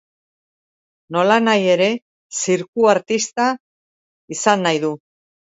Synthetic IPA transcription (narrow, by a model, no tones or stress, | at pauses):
no̞lanaje̞ɾe̞ | siɾkuaɾt̪ist̪a | isanːajðu